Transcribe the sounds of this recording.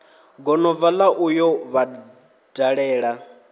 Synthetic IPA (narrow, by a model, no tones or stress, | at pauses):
ɡɔnɔvalaʔujɔβa | daɺɛːɺa